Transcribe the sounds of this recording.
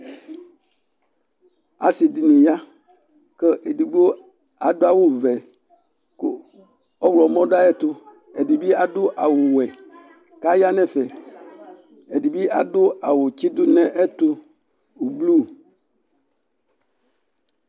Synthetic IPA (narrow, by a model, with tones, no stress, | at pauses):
a̰˨si˨di˨nũ˨ja˦ | kə˦ʔe˨di˨ɡ͡bo˦ | a˨d̪o˦a˦wo˦vɛ˨ | ko˦ | ɔ˦wlɔ˨˦mɔ̃˦ɖa˦ɛ˦t̪ʊ˦ | e˨di˨bi˦a˨dʊ˦ʔa˨wo˨wɛ˨ | ka˦ja˦nɛ̃˦fɛ˨ | e˨di˨bi˦a˨dʊ˦a˨wo˨t͡ɕi˦d̪ʊ˦nɛ̃˦ʔe˦t̪ʊ˦ | o˨blu˦˨